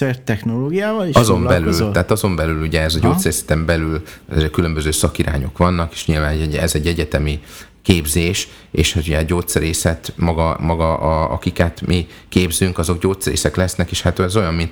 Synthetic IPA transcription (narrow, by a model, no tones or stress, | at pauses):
ɛrt̪ɛxnoloːɡijaːvɒliʃɒzo̞mbɛlylt̪aːt̪ɒzo̞mbɛlyluɟɛɛzɒɟoːt̪sɛɾeːsɛ̥t̪ɛmbɛlylɛzeːkylø̞mbøzøːsɒkiɾʔa̰ːɲo̞̰kʋɒnːɒke̥ːʃɲilvaːnɛɟɛzɛɟːɛɟɛt̪ɛmi | keːbzeːʃ | eːʃuɟɛɟoːt̪sɛɾeːsɛt̪mɒɡɒmɒɡɒʔɒɒ̰kikɛt̪mʔi | keːbzyŋkɒzo̞ɡɟoːt̪sɛɾḛːsɛklɛsnɛkeːʃhat̪ɛzo̞jɒmmint̪